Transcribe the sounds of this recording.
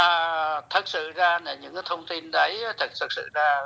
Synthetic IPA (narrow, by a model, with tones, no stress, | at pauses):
t̪ʰə˨˩t̚sɨ̰˧˨zaː˧nə˨˩ɲɨ̰˧˥ŋkːt̪ʰə˧wŋ͡mt̪i˧nɗə˨˦jt̪ʰə˨˩t̚t̪ʰə˨˩sɨ̰˧˨zaː˧